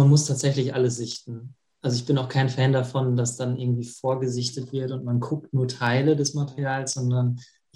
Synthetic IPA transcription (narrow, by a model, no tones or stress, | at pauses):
manmʊstʰaːtz̥ɛçlɪçʔaləs̬z̥ɪçtn̩ | ʔalzoɪçb̥ɪnaʊxkʰaɪnfɛːndafɔndasd̥anʔɪɐɡŋ̩tv̥iːfoːɐɡəzɪçtətv̥ɪɐtʊntmankʰʊk̚tnuːɐtʰaɪlədɛsmatɛʁiaːlsz̥ɔndɐn